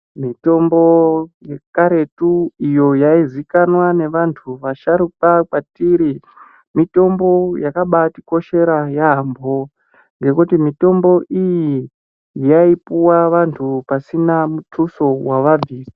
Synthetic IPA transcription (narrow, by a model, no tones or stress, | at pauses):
mito̞mboje̞kaɾe̞tuijo̞jaizikanwane̞ʋantʰuʋaʃaɾuk̚akwatiɾi | mito̞mbo̞jakaɓatiko̞ʃe̞ɾajaɦːmbʱo̞ | ŋɡe̞kutimito̞mbo̞ʔiji | jaipuwaʋantʰupasinamut͡suso̞waʋab͡viːsḁ